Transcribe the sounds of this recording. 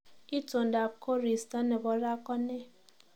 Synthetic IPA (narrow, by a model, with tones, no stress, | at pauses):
i˦to˨n̩˨da˨ko˦ɾi˨sta˦ne˨bɔ˨ɾa˦kɔ˦ne˦